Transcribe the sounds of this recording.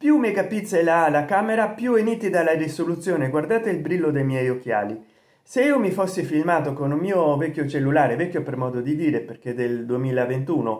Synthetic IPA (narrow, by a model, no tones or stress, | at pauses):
pjumːekapit̪sːelalakaːmeɾapjueniːt̪id̪aladisolut̪sːjoːneɡward̪aːt̪eilbɾilːod̪ejmjɛjokːja̰ːli | seiːomifosːifilmaːt̪okonulmiːovɛkʲːjot͡ʃelːulaːɾevɛkːjopermɔːd̪od̪id̪iːɾeperked̪eld̪uemiːlavent̪uːno